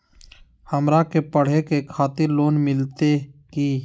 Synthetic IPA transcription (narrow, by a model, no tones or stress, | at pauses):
həmɾakepəɽ̤ekekʰaːt̪ɪɾloːnmɪlt̪ekiː